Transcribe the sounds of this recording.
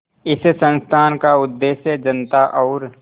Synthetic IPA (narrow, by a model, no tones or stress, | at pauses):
ɪssə̃nst̪ʰaːnkaʊd̪ːeːʃjəd͡ʒənt̪aʔɔːɾ